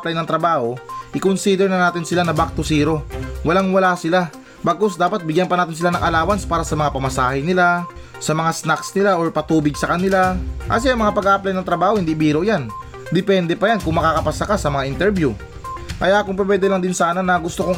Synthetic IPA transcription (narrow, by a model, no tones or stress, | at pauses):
plajnɐŋt̪ɾɐbaːho̞ʔɪkonsiːd̪ɛɾnɐnaːt̪ɪnsɪlanɐbak̚t̪osiːɾo̞wɐlaŋwɐlasɪla | baɡ̚kosd̪aːpɐt̪̚bɪɡjanpɐnaːt̪ɪns̬ɪlanɐŋʔɐlaːwɐnspaːɾɐsɐmɐŋapɐmɐsaːhɪnɪla | sɐmɐŋasnaksnɪlaʔoɹpɐt̪uːbɪɡ̚sɐkɐnɪlakɐ̰s̬ɛʔɐŋmɐŋapɐɡʔaːplɐjnɐŋt̪ɾɐbaːho̞hɪnd̪ibiːɾoʔjan | d̪ɪpɛnd̪ɛpɐjankʊŋmɐkakɐpɐsɐkasɐmɐŋaʔɪnt̪ɛɾbju | kɐjaʔkʊŋpɛwɛːd̪ɛlɐŋd̪ɪnsaːnɐnɐɡʊst̪oko